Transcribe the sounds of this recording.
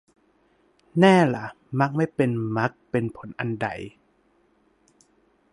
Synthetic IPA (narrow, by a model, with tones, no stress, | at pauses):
nɛː˥˩la˨˦ | ma˦˥k̚ma˥˩jpe˧nma˦˥k̚pe˧npʰo˩˦nʔa˧nda̰˨˩j